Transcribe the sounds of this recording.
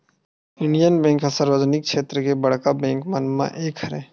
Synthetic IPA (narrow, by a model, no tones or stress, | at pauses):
ʊɳɖijənbɛ̃ːŋkɦasaɾʋəd͡ʒnɪk̚ʃeːt̪ɾəkebəɽ̤kabɛ̃ːŋkmənmã̰ʔeːkʰəɾẽ